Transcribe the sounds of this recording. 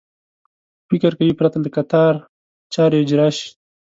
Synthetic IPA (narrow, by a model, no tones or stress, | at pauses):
fɪkɪɾkawipɾat̪aləkat̪ɑɾ | t͡ʃɑːɾeɪd͡ʒɾɑʃ